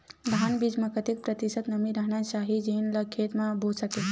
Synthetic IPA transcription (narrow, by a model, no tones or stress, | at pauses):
d̪ʱanbid͡ʒməkət̪ik̚pɾət̪isət̪nəmiɾəɦnasaɦid͡ʒinləkʰːet̪mãbusəke